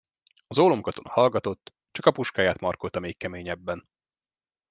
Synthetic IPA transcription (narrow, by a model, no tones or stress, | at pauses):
ɒzoːlomkɒt̪o̞nɒ̰hɒlɡɒt̪o̞t̪ː | t͡ʃɒkɒpuʃkaːjaːt̪mɒrkolt̪ɒmeːkkɛmeːɲɛbːɛn